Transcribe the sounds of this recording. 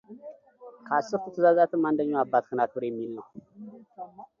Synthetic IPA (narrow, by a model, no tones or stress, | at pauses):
kʰasɨɾt̪ɨt̪ʰɨzazat̪ɨmand̪əɲoabːat̪kɨnat̪wɨɾeminə